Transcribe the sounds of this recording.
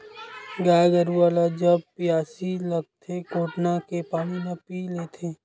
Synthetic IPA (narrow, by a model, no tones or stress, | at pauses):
ɡaːɡəɾualad͡ʒəb̚pijaːsiləɡ̚t̪ʰekoːʈnakepaːñimepilet̪ʰeː